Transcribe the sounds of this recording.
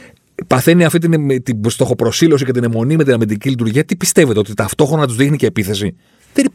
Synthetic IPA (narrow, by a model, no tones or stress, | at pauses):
pɐθe̞niɐft̪it̪ineet̪ibst̪o̞xo̞pɾo̞silo̞sice̞t̪inemo̞nime̞t̪inɐmind̪icilit̪uɾʝiɐt̪ipist̪e̞ve̞t̪eot̪it̪ɐft̪o̞xɾonɐt̪uzðixnice̞ːpiθe̞si | t̪eɾi